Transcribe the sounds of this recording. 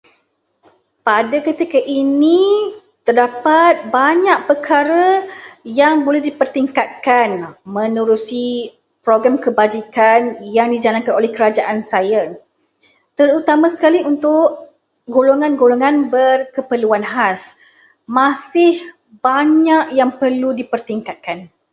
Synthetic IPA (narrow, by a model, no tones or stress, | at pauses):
padakət̪ikəʔini | t̪ərdapat̪̚baɲaʔ̚pəkʰaɾəjaŋbolɛhdipərt̪iŋkat̪̚kanmə̃nuɾusi | pɾoɡɾamkəbad͡ʒikanjaŋdid͡ʒalankanolɛhkəɾad͡ʒaʔansajə | t̪əɾut̪amãsə̥kaliunt̪ʊʔ | ɡoloŋãnɡoloŋãnbərkəpəluanɦas | masɪh | baɲaʔjaŋpərludipərt̪iŋkat̪̚kan